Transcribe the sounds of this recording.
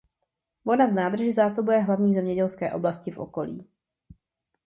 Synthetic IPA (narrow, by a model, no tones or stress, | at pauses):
vonaznaːd̪r̩ʒɪzaːso̞bujɛɦlavɲiːzɛmɲɛɟɛlskɛːʔo̞̰blascɪfʔo̰ko̞lḭː